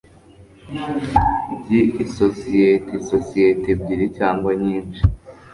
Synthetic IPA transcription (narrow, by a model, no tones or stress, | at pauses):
bɟiʔisosijetisosijetebɟiɾicaːŋɡwoɲiːnt͡ʃi